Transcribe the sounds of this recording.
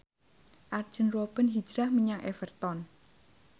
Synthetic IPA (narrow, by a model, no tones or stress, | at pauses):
ʔard̥ʒ̥ənruwob̥ənɦid͡ʒɾahməɲaŋʔefərt̪ɔn